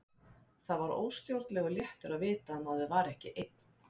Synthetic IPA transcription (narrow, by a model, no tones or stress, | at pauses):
θaðvaɾo̰ːwst̪jowɾt̪lɛɣʏljɛht̪ʏɾaðvɪːt̪aɛmawðɛðvaːɾɛhcɪʔejt̪̚n̥